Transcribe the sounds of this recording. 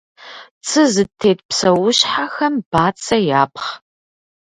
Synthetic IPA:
t͡sʰɨzɨtʰːeːt̚psɐwʊɕħaxɐmb̥aːt͡sʰʼɐjaːpʰχ

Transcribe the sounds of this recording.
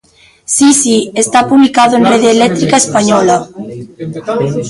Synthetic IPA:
sisiest̪apuβlikaðoenreðeːlɛt̪ɾikaespaɲɔlɐ

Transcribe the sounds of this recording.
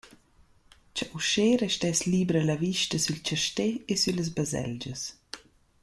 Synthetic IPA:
t͡ʃaʔuʃeːɾɛʃtɛsliːbɾəlaviʃtəsylt͡ʃaʃteesyləz̬bazɛ̰ld͡ʒəs

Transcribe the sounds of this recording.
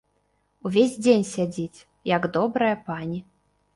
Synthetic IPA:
uvʲezʲd͡zʲenʲsʲad͡zʲit͡sʲ | jɐɡd̪ɔbɾɐjɐpanʲi

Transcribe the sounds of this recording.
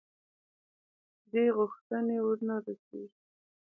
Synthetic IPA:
d̪eɣʊxt̪ənewʊɾnaɾəse

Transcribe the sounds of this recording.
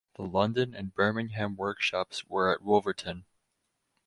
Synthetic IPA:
ðəlʌ̃ndɨ̃nɨ̃nbɜ˞mɪ̃ŋɦæ̃mwɜ˞kʃɑpswə˞ɨʔ̚wʊlˠvə˞tʰɨ̃n

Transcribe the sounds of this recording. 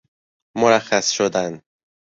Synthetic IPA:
moɾæxːæsʃod̪æn

